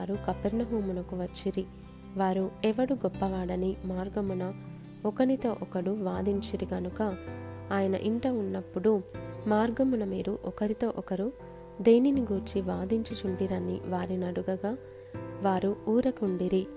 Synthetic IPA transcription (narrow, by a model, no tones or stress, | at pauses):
ɾukɐpeɾnɐɦuːmunɐkuʋɐt͡ʃːiɾi | ʋaːɾuɛʋɐɽuɡɔpːɐʋaːɽɐnimaːɾɡɐmunɐ | ɔkɐnit̪o̞ːʔɔkɐɽuʋaːd̪iɲt͡ʃiɾiɡɐnukɐaːjɐnɐ̰ʔiɳʈɐunːɐpːuɽumaːɾɡɐmunɐmiːɾuʔɔkɐɾit̪o̞ːʔɔkɐɾu | d̪e̞ːniniɡuːɾt͡ʃiʋaːd̪iɲt͡ʃit͡ʃuɳɖiɾɐnːḭʋaːɾinɐɽuɡɐɡaː | ʋaːɾuuːɾɐkuɳɖiɾi